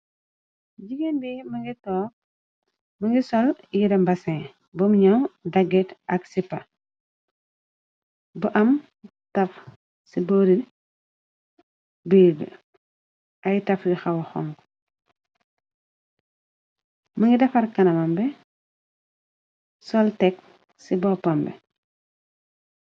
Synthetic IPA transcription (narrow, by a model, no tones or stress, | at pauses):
ɟiɡenbimɐŋɡitɔː | mɐŋɡisɔljidɐmbɐsẽ | bumɲawdɐɡɛtɐksipːɐ | buʔɐm | tɐf | siboɾi | biːɡ̰ | ɐjtɐfjixɐwɐxɔŋɡ | mɐŋɡidɛfɐɾkɐnɐmɐmbɛ | sɔltɛk̚ | sibɔpːɐmbɛ̰